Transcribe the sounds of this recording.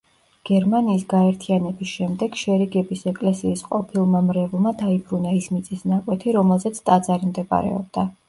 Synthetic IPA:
ɡ̥ɛɾmaniːsɡaɛɾt̪ʰianɛbisʃɛmd̪ɛɡ̥ʃɛɾiɡɛbisɛkʼlɛsiːsqʼɔpʰilˠmamɾɛvlˠmad̪aipʰɾunaismit̪sʼisnakʼwɛt̪ʰiɾɔmɛlˠzɛt̪sʰt̪ʼad̪zaɾimd̪ɛbʼa̰ɾɛ̰ɔ̰b̚d̪̥a

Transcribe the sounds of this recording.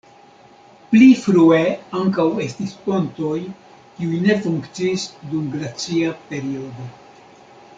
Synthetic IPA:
plifɾue̞aŋkawe̞stisponto̞j | kiujne̞fuŋkt͡siːsdumɡɾat͡siape̞ɾio̞d̪o̞

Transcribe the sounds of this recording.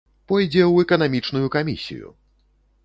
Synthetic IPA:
pɔjd͡zʲɛwɛkɐnamʲit͡ʂnujukamʲḭsʲḭjṵ

